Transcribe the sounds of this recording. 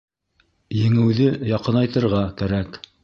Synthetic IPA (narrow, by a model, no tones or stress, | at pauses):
jɘ̆ŋɘ̆wðɘjɑqɤnɑjt̪ɤ̆ɾʁɑkæɾæk